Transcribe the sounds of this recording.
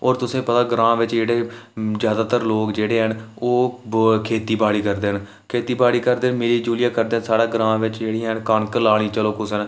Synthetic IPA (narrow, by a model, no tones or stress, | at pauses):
ɔːɾt̪ʊsẽːpət̪aːɡɾãːʋɪt͡ʃd͡ʒeːɽeːzjaːd̪aːt̪əɾloːkd͡ʒeːɽeːɦənoːkʰeːt̪iːbaːɽiːkəɾd̪eːn | kʰeːt̪iːbaːɽiːkəɾd̪eːnmeːɾiːd͡ʒuːlɪjaːkəɾd̪eːsaːɽaːɡɾãːʋɪt͡ʃd͡ʒeːɽiːɦənkənkəlaːɽ̃ĩːt͡ʃəloːkʊsən